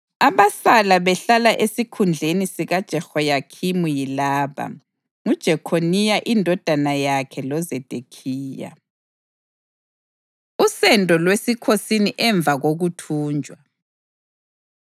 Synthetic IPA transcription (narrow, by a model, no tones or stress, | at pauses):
aβasalaβɛɬalaʔesikʰund͡ɮʱenisiɣad̥ʒ̥ʱɛxɔjakʰimujilaːβa̰ | ŋud̥ʒ̥ʱɛkʰonijaʔindʱɔd̥ʱanajakʰɛlɔzɛd̥ʱekʰiːja̰ | usɛndʱʼɔlwesikʰosiniʔɛɱb̪vʱaɣoɣutʰuːnd͡ʒʱʼwa